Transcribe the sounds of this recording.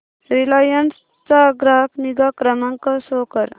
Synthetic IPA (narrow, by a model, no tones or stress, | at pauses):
ɾilajəns | t͡saɡɾaɦkniɡakɾəmaŋkasokəɾ